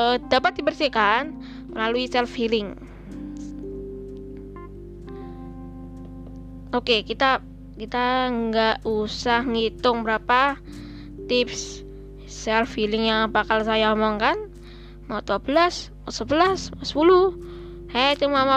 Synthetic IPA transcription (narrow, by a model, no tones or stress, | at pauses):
d̪̥apat̪̚d̪ibərsikan | məlaluisɛlfilɪŋ | okekit̪a | kit̪aŋɡaʔusahŋit̪ʊŋbəɾapa | t̪ɪps | sɛlfilɪŋjaŋabakalsajaɔmɔŋkan | maut̪uabəlasmasəbəlasmasə̥pulu | hat̪umama